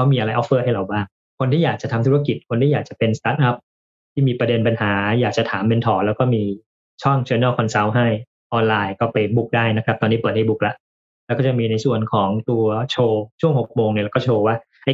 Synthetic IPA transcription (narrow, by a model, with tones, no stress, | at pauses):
kʰa˦˥wmiː˧ʔa˧ɾa˧jʔɔ˦˥pːɤː˥˩ɦa˥˩jla˨˩wbaː˥˩ŋ | kʰo˧nt̪ʰiː˥˩jaː˨˩k̚t͡ɕa˨˩t̪ʰa˧mt̪ʰu˦˥˧ki˨˩t̪̚kʰo˧nt̪ʰiː˥˩jaː˨˩t͡ɕa˨˩pe˧nst̪aː˦˥t̪̚ʔa˦˥p̚ | t̪ʰiː˥˩miː˧pɾa˧de˧npa˧nɦaː˩˦jaː˨˩k̚t͡ɕa˨˩t̪ʰaː˩˦mpe˧nt̪ʰɔː˩lɛː˦˥wkɔː˥˩miː˧ | t͡ɕʰɔ˥˩ŋt͡ɕʰeː˧˦naː˥˩wkʰɔ˧nsa˦˥wɦa˥˩j | ʔɔː˧nlaː˧jkɔː˥˩pa˧jbu˦˥k̚daː˥˩jna˦˥kʰɾa˦˥t̪ɔː˧nːiː˦˥pɯ˨˩t̪̚ha˥˩jbu˦˥k̚la˦˥ʔ | lɛː˧˦˥kɔː˥˩t͡ɕa˨˩miː˧na˧jsu˨˩ənkʰɔː˩˦ŋt̪u˧ɐt͡ɕʰoː˧t͡ɕʰu˥˩əŋho˨˩k̚moː˧ŋni˧˩lɛ˦˥kɔː˥˩t͡ɕʰoː˧waː˥˩ | ʔa˧˩